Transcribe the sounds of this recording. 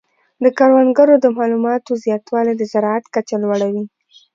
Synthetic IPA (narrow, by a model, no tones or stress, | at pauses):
d̪əkaɾwanɡaɾod̪əmɑlumɑt̪ozjɑt̪wɑled̪əzaɾɑat̪kat͡ʃalwaɽawi